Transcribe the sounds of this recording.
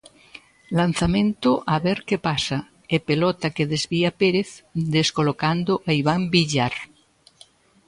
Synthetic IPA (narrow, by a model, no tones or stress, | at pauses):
lan̟θamẽnt̪oʔaβeɾkepasa | epelɔt̪akeðezβiapeɾeθd̪eskolokand̪oʔaiβambiʎaɾ